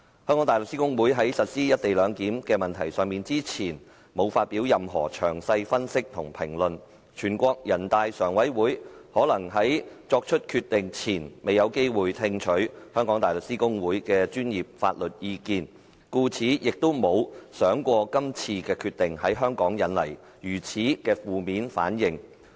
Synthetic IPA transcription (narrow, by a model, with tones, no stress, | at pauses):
hœː˥ŋkɔː˨˥t̪ːlɵ˨k̚si˥kʊ˥ŋwuː˨˥jɦɐ˨˥jsɐ˨t̚siː˥jɐ˥t̚t̪e˨jlœː˨˧ŋkiː˨˥mkɛː˧mɐ˨nt̪ʰɐ˨˩jsœː˨˩ŋmiː˨nt͡siː˥t͡sʰiː˨˩n | mo˨˧wfaː˧t̚piː˨˥wjɐ˨mɦɔ̰ː˨˩t͡ʃʰœː˨˩ŋsɐ˧jfɐ˥nsɪ˥k̚t̪ʰʊ˨˩ŋpʰɪ̰˨˩ŋlɵ˨n | t͡ʃʰyː˨˩nkʷɔː˧k̚jɐ˨˩nt̪aː˧jsœː˨˩ŋwɐ˨˥jwuː˨˥jhɔː˨˥lɐ˨˩ŋɦɐ˨˥jt͡ʃɔː˧k̚t͡ʃʰɵ˥t̚kʰyː˧t̪ɪ˨ŋt͡sʰiː˨˩nmʔe˨jɐ˨˧wke˥jwuː˨jt̪ʰɪ˧ŋt͡ʃʰɵ˨˥ɥhœː˥ŋkɔː˨˥ŋt̪aː˨jlɵ˨k̚siː˥kʊ˥ŋwuː˨˥jkɛː˧t͡ʃyː˥njiː˨p̚fa̰ː˧t̚lɵ˨t̚jiː˧kiː˧n | kuː˧t͡sʰiː˨˥jɪ˨k̚t̪o˥wmo˨˧wsœː˨˥ŋkʷɔː˧kɐ˥mt͡sʰiː˧kɛː˧kʰyː˧t̚t̪ɪ˨ŋhɐ˨˥jɦœː˥ŋkɔː˨˥ŋjɐ˨˥nlɐ̰˨˩j | jyː˨˩t͡sʰiː˨˥kɛː˧fuː˨miː˨˥nfa̰ː˨˥njɪ˨ŋ